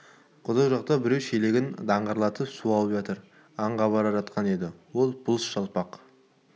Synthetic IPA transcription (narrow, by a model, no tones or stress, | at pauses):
qʰʊd̪ɑʁʒɑq̚t̪ɑbɪɾe̞wʃele̞ɡʲɪnd̪ɑɴʁɑɾlˠɑt̪əpsuɑlˠəpʒɑt̪əɾ | ɑɴʁɑbɑɾɑʒɑt̪qʰɑne̞d̪ɪwo̞lˠbʊlˠəsʃɑlˠpɑq